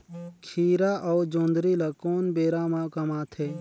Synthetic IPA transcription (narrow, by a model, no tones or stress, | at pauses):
kʰiːɾaʔɔːd͡ʒõːnd̪ɾilɐkoːnbeːɾamakɐmaːt̪ʰeː